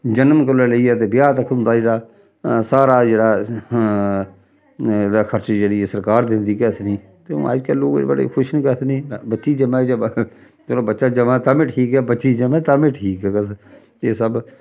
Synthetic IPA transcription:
d͡ʒənəmkəlːeːləiːɛːt̪̬eːbɪjaːt̪əkʰʊ̃nd̪aːd͡ʒeːɽaː | saːɾaːd͡ʒeːɽaː | d̪akʰəɾt͡ʃːd͡ʒeːɽiːsəɾkaːɾd̪ɪ̃nd̪iːkɛːt̪ʰnĩː | t̪ḛ̃a̰ːd͡ʒkəlloːɡbəɽḛːkʰʊʃnĩːkɛt̪ʰːnĩːbətːʃiːd͡ʒəmaːd͡ʒə | t̪oloːbətːʃaːd͡ʒəmat̪amẽʈʰiːkɦɛːbətːʃiːd͡ʒəmɛ̃ːt̪amẽːʈʰiːkɛːkəs | eːsəb

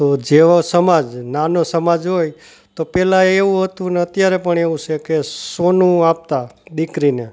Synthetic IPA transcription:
t̪od͡ʒeʋosəmad͡ʒnanosəmad͡ʒɦoj | t̪opɛlãeʋũɦət̪ũneət̪jaɾepəɳeʋũt͡ʃʰekesonũap̚t̪aɗ̪ikɾine

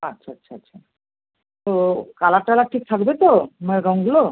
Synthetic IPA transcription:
atːɕʰaatːʃʰaatːɕʰa | t̪okalaʈalaʈʰik̚t̪ʰakbet̪omaɾɔŋɡulo

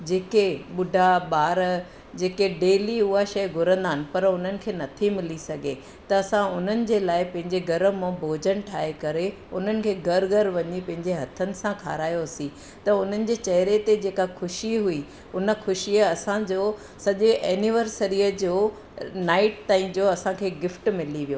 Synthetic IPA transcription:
d͡ʑeːkeɓʊɖʱaɓaːɾ | d͡ʑeːkeɖeːliʊɦaʃɐjɡʱʊɾə̃nd̪aːɦɪnɪ̆pɐɾʊn̤ənɪ̆kʰeːnɐt̪ʰimɪlisɐɡʱe | t̪ɐːsãʊn̤ənɪ̆d͡ʑeːlaːɪpɐ̃ɦɪ̃ɲd͡ʑeɡɐɾəmõbʱoːd͡ʑəɽ̃ʈʰaːekɐɾe | ʊn̤ənɪ̆kʰeːɡʱɐɾɡʱɐɾʋɐɲipɐ̃ɦɪ̃ɲd͡ʑeɦɐt̪ʰənɪ̆sãkʰaːɾaːjoɐsĩ | t̪ɐʊn̤ənɪ̆d͡ʑeːt͡ɕɐɦɪɾet̪ed͡ʑeːkaxʊʃiɦui | ʊnə̆xʊʃiəɐsãd͡ʑoː | sɐʄeʔɛːniʋəɾsəɾiːəd͡ʑoː | naːɪʈt̪aːĩd͡ʑoːɐsãkʰeːɡɪfʈmɪliʋijoː

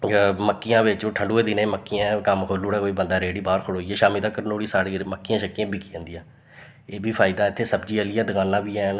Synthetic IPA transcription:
məkːɪjãːʋɪt͡ʃːʈʰəɳɖoːeːd̪ɪnẽːməkːɪjãːkəmkʰoːlːuːɽɛːkoːiːbənd̪aːɾeːɽiːbaːɾkʰʊɽoːiːeːʃaːmiːd̪aːkəɾnoːɽiːsaːɽiːməkːɪjãːʃəkːɪjãːbiːkiːãːnd̪ijãː | eːbʱiːpʰaːɪd̪aːɪt̪ʰːeːsəbd͡ʒiːəlɪːãːd̪əkaːlːãːbiːɛːn

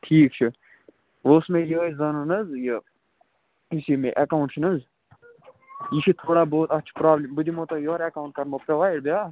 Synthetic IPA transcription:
ʈʰiːk̚t͡ʃʰɨ | ʋoːsmẽːjəzɐnunɐzjə | isimḛʔɐkauɳʈt͡ʃʰinɐz | jiʃʰit̪ʰoːɽaːboːt̪ɐːt͡ʃʰpɾaːblʲimbɨd̪ʲimot̪ojoːɾekauɳʈ̚kɐɾmopɾɐʋaːjɽbʲjaː

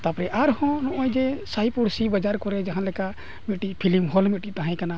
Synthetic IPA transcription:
t̪apɾɛʔaɾɦɔ̃nɔʔɔjd͡ʒesajpuɽsibad͡ʒaɾkɔɾɛd͡ʒaɦanlɛka | miʈipʰilimɦɔlmiʈit̪aɦãj̃kana

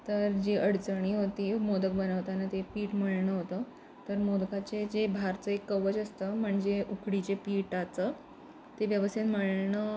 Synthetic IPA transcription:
t̪əɾd͡ʑeʔəɽt͡səɳ̃iːɦot̪iːmod̪ək̚bənəʋt̪anat̪epiːʈməɭɳəɦot̪ə | t̪əɾmod̪kat͡sed͡ʑebʱaɾt͡səekːəʋət͡ɕəst̪əm̤əɳd͡zeʔukɽit͡ɕepiʈat͡sə | t̪eʋjəʋəst̪jet̪m̤əɭɳə

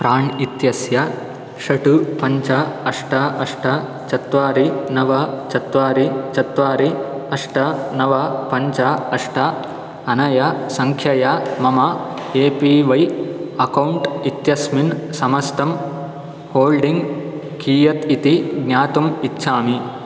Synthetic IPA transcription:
pɾaːɳit̪jɐsjɐ | ʃɐʈupɐɲt͡ʃaɐʂʈɐʔɐʂʈʰɐ | t͡ʃɐt̪ʋaːɾinɐʋɐt͡ʃɐt̪ʋaːɾit͡ʃɐt̪ʋaːɾiɐʂʈɐnɐʋɐpɐɲt͡ʃaɐʂʈʰɐ | ɐnɐjɐsɐŋkʰjɐjamɐmɐ | eːpiːʋɐjɐkɐwɳʈit̪jɐsminsɐmɐst̪ɐm | hoːlɖiŋɡ | kiːjɐt̪it̪iɡnʲaːt̪umit̪ːʃʰaːmi

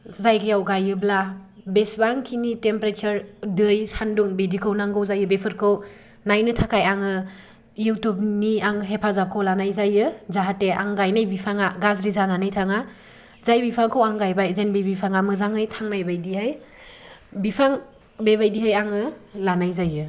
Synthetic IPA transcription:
zajɡijawɡajɯbla | besbaŋkʰinitempɾet͡ʃɯɾdɯjsanduŋbedikʰownaŋɡɯwzajɯbepʰɯɾkʰɯw | najnɯtʰakajaŋɯ | juwtub̚niaŋɦepʰazap̚kʰawlanajzajɯzaɦatea̰ŋɡajnajbipʰaŋaɡazɾizananɯjtʰaŋa | zajbipʰaŋkʰɯwaŋɡajbajzenbibipʰaŋamɯzaŋɯjtʰaŋnajbajdiɦaj | bipʰaŋ | beβajdiɦajaŋɯlanajzajɯ

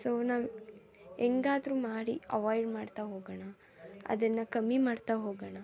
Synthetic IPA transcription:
soːnaːʋ | eŋɡaːd̪ɾuːmaːɽiɐʋaːjɖmaːɖt̪aɦoːɡɐɳɐ | ɐ̰d̪ɐnːɐkɐmːimaːɽt̪aɦoːɡɐɳɐ

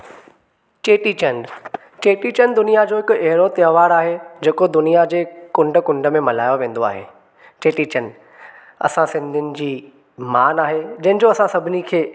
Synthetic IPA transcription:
t͡ɕeːʈit͡ɕɐ̃ɳɖ | t͡ɕeːʈit͡ɕənd̪ʊnijad͡ʑoːɦɪkʊɛɦɪɾot̪ɪəʋaːɽaːɦed͡ʑeːkod̪ʊnijad͡ʑeːkʊ̃ɳɖəkʊ̃ɳɖə̆mẽmɐlaːjoʋẽːn̆d̪oa̰ːɦḛː | t͡ɕeːʈit͡ɕɐn | ɐ̰sãsɪ̃nd̪ʱɪnɪ̆d͡ʑiː | maːnaːɦed͡ʑɐɦɪ̃̆d͡ʑoɐsãsɐbʱɪnikʰeː

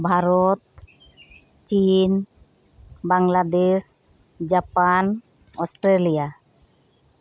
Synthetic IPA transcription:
bʱaɾɔt̪̚ | t͡ʃin | baŋlad̪es | d͡ʒapan | ɔsʈɾelija

